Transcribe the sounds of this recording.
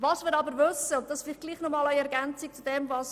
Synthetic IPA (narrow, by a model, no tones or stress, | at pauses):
vɑsmɪːɾɑbəɾvʏsəʊnt̚dɑsfɪlɪɡ̥liːχnɔmɑːlæɪɛɾɡɛnt͡sɪk̚t͡sud̥ɛmvɑs